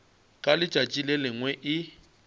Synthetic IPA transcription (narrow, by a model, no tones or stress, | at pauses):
kʼalɪt͡ʃʼat͡ʃʼilɛlɪŋwɛʔɪ